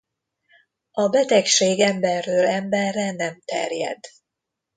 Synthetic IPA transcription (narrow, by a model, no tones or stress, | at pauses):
ɒbɛt̪ɛkʃeːɡɛmbɛrːøːlɛmbɛrːɛnɛmt̪ɛ̰rjɛ̰d̪